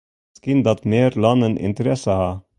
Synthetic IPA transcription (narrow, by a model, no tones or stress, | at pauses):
skɪnd̪ɑt̪meːɾlɑnənʔɪ̰nt̪əɾɛsəhɑː